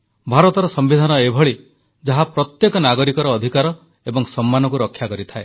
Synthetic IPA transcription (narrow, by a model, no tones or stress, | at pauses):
bʱaɾɔt̪ɔɾɔsɔmbid̪ʱanɔebʱɔɭi | d͡ʒaɦapɾɔt̪jekɔnaɡɔɾikɔɾɔːd̪ʱikaɾɔ | ebɔŋsɔmːanɔkuɾɔkʰːjakɔɾit̪ʰae